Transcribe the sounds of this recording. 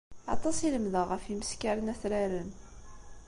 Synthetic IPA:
ɑ̰t̪ˤɑsiləmðəʁəfiməskaɾənæθɾaɾən

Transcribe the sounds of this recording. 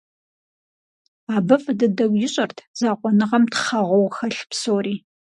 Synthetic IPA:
aːbɨfdɨdɐwʷjɪɕʼɐrtʰz̥aːqʷʼɔnɨʁɐmtχɐʁʷɔwxɐɬpsoːriː

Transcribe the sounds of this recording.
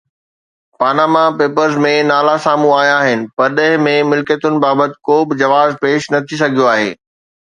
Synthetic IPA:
paːnaːmapeːpəɾzmẽnaːlasaːmũaːɦjaːɦɪnɪ̆pɐɾɗɐɦɪ̃mẽmɪlkət̪ʊnɪ̆baːbət̪ɪ̥̆koːbɪd͡ʑɐʋaːzpeːʃnɐt̪ʰis̬ɐɡʱijoaːɦḛː

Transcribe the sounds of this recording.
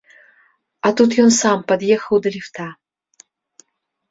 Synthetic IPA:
at̪ut̪ʰjonsampɐd̪jexəwd̪ɐlʲift̪ʰa

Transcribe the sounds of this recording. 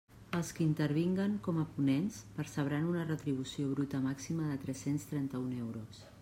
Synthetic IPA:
əlˠskəint̪əɾβ̞iŋɡəŋkɔməpunɛnspəɾsəβ̞ɾanunərət̪ɾiβ̞usioβɾut̪əmaksiməðət̪ɾɛsenst̪ɾɛnt̪əunɛwɾos

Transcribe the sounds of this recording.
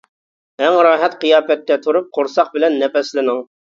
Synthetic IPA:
ɛŋɾɑːɦɛt̪qijɑːpɛt̪̚k̪ʲːɛt̪ʰuɾup̚qʰoɾsɑχbɪlɛnːɛpɛslɪnɪŋ

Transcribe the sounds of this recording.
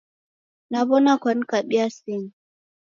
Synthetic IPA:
naβɔnakwan̩kaɓiasin

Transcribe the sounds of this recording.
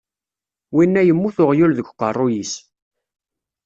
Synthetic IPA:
winːæjəmːuθʊʁjulðəɡʷqərˤːʊjis

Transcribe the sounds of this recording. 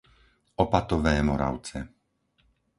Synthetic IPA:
ɔpat̪ɔʋɛːmɔɾa̰ʊt͡sɛ

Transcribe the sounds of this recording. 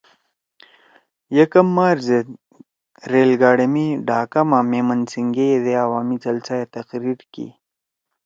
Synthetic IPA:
jekɐmːaːɾze | ɾeːlɡaːɽɐmiɖaːkamameːmənsiŋɡejed̪eawaːmit͡sɐlt͡sajet̪ɐqɾiɾkḭ

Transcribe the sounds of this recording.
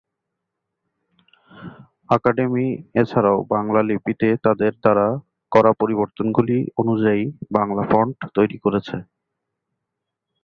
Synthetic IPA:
akaɖemiet͡ɕʰaɾaobaŋlalipit̪et̪ad̪eɾd̪aɾa | kɔɾapoɾiboɾt̪onɡulionud͡ʑaibaŋlafɔɳɖt̪ojɾikoɾet͡ɕʰe

